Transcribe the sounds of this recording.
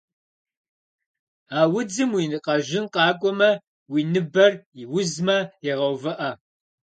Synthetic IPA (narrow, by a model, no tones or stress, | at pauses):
aːwʊd͡zɨmwinɨqʼɐʒɪnqɑːkʷʼɔmɐ | wiːnɨbɐriwʊzmɐɛʁɐwvɐʔɐ